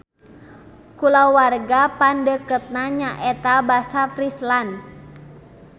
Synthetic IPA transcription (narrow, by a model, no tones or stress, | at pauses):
kulawarɡapandəkət̪̚naɲaʔɛt̪abasafɾislan